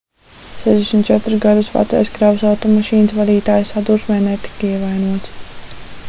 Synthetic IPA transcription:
sɛzʲd̪ɛsmt̪̚t͡ʃɛt̪ɾusɡad̪usʋa̰t̪sɛ̰jskɾawusawt̪ɔmaʃiːnsvad̪iːt̪aːjsad̪uɾʃmɛːnɛt̪i̥kiɛvajnuɔt̪s

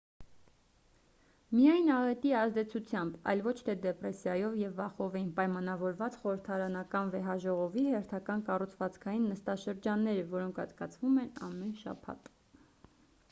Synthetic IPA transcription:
mijɑjnɑʁɛt̪iɑzd̪ɛt͡sʰut͡sʰjɑmbɑ̰jlvɔt͡ʃʰt̪ʰɛd̪ɛprɛsjɑjɔvjɛvːɑχɔvɛjinpɑjmɑnɑvɔɾvɑt͡sχɔɾəɾt̪ʰɑɾɑnɑkɑnvɛɦɑʒɔʁɔvihɛɾt̪ʰɑkɑnkɑrut͡sʰvɑt͡skʰɑjinːəst̪ɑʃəɾd͡ʒɑnːɛɾəvɔɾɔŋkʰɑt͡skɑt͡sʰvumɛnɑ̰mːɛnʃɑ̰pʰɑ̰t̪

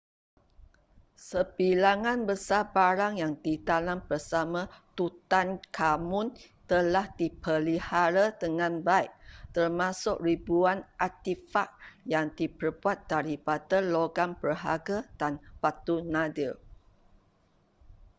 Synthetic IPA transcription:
səbilaŋãnbəsabaɾaŋjaŋdit̪anãmbərsamãt̪ut̪ankʰamʊ̃n | t̪əlahdipəlihaɾad̪əŋãnbaiʔ̚t̪ərmãsʊʔ̚ribuanʔat̪ifaʔ̚jaŋdipərbuat̪̚daɾipadaloɡanpəɦaɡad̥anpat̪unadəl

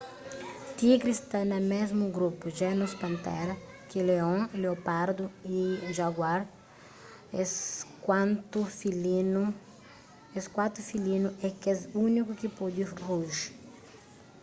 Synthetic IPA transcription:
t̪iɡɾist̪anɐmezmuɡɾupuʒɛnuspɐ̃nt̪ɛ̰ɾɐ | kileõleopaɾd̪uiʒaɡwaɾ | kwãnt̪ufiln | eskwat̪ufilinuʔɛkezunikukipɔd̪iruʒ

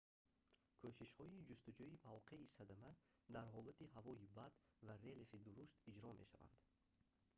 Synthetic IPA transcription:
kʰoʃiʃhɔid͡ʒust̪ud͡ʒuimavqʰe̞isad̪amæd̪aɾɦɔlat̪iɦavɔibad̪vaɾe̞lefid̪uɾuʃt̪id͡ʒɾɔme̞̰ʃa̰va̰nd̪̥

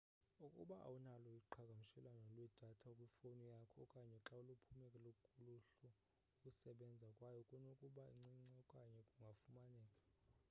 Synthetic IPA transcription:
ukʼṵɓaʔa̰wunalɔjiǃʰakʼam̩ʃɛlanɔlwɛd̥ʱatʰaukʼwifonijakʰɔkʼaɲɛǁaulupʰumɛkʼɛlokʼuluɬu | kʼusɛɓɛnd͡zʱakʼwajɔkʼunokʼuɓaḭŋ͡ǀiŋ͡ǀɛkʼaɲɛkʼuŋɡʱafumanɛːkʼḁ

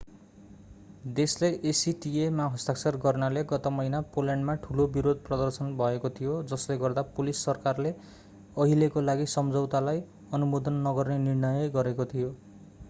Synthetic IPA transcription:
d̪esleʔesiʈiemaɦʌst̪aksʰʌrɡʌrnaleɡʌt̪ʌmʌɦinapolaɳɖmaʈʰulobiɾod̪̚ʱprʌd̪ʌrsʌnbʱʌekot̪ʰijod͡zʌsleɡʌrd̪apolisːʌrkarle | ʌɦilekolaɡisʌmd͡zʌwt̪alaj | ʌnumod̪ʌnːʌɡʌrnenirnʌjʌɡʌɾekot̪ʰijo

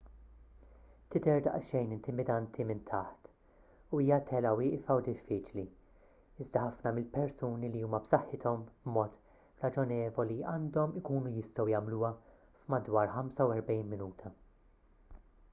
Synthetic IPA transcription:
t̪ɪd̪ɛɾd̪ɐ̰ʔʃɛjnɪnt̪ɪmɪd̪ɐnt̪ʰimɪnt̪ʰɐħt̪ | uiːjɐt̪ʰɛlɐwɪːʔfɐwd̪ɪfːiːt͡ʃli | ɪzd̪ɐħɐfnɐmɪlpɛɾsuːniliuːmɐbsɐħːɪt̪ʰɔmbmɔːt̪ | ɾɐd͡ʒɔnɛːvɔliɐːnd̪ɔmɪkuːnujɪst̪ɔwjɐmluːɐ | fmɐd̪wɐːɾħɐmsɐwɛɾbɛjnmɪnuːt̪ʰɐ

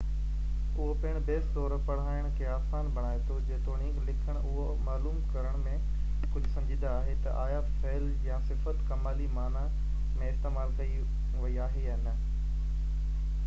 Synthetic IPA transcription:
ʊɦopɐɪɽ̃beːst̪ɔːɾpɐɽ̤aːɪəɽ̃kʰeːaːsaːnbɐɽ̃aːet̪ʰod͡ʑẽːt̪oːɽ̃ĩːɡlɪkʰəɽ̃ʔʊɦo | maːluːmkɐɾəɽ̃mẽ | kʊd͡ʑʱʊsɐ̃md͡ʑʱĩːd̪aːɦet̪ɐ̰ʔaːjafeːl | jãsɪfət̪kɐmaːlimaːna | mẽɪst̪emaːlkɐi | ʋɐiaːɦe | nə

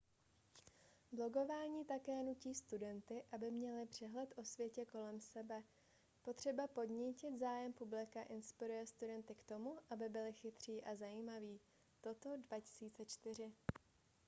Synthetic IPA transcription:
blo̞ɡo̞vaːɲiːt̪akɛːnuciːst̪udɛnt̪ɪʔabɪmɲɛlɪpr̝̥ɛɦlɛt̪ʔo̞svjɛcɛko̞lɛmsɛbɛ | po̞t̪r̝̥ɛbapo̞dɲicɪt̪zaːjɛmpublɪkaʔɪnspɪɾujɛst̪udɛnt̪ɪkt̪o̞muʔabɪbɪlɪxɪt̪r̝̥iːʔazajiːmaviː | t̪o̞t̪o̞dvacɪ̥siːt͡sɛt͡ʃt̪ɪr̝ɪ

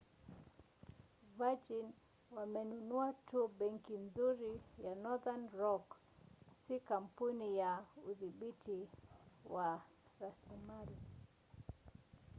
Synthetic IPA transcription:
vad͡ʒin | wamɛnunuatʰuɓɛŋkinzuɾijanɔðanɾɔk | sikam̩punijauðiɓiti | wa | ɾaslimali

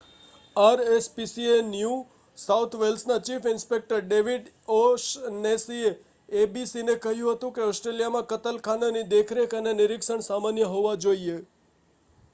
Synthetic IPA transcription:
aɾespisienju | saut̪ʰʋelsnat͡ʃifɪnspek̚ʈəɾɖeʋiɖ | oʃnesieː | bisinekəɦjũɦət̪ũkeɔsʈɾelijamãkət̪əlkʰananid̪ekʰɾekənenɪɾɪkʃəɳsamanjəɦoʋad͡ʒoie

